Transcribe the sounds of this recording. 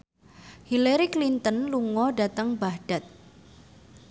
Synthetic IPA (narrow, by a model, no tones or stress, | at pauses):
hilaɾiklint̪ənluŋɔɖat̪əŋbahɖ̥at̪̚